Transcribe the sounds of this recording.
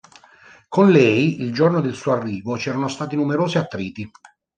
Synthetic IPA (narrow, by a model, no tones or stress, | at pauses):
konlɛjild͡ʒornod̪elsuːoarːiːvot͡ʃɛːɾanost̪aːt̪inumeɾoːseat̪ːɾiːt̪i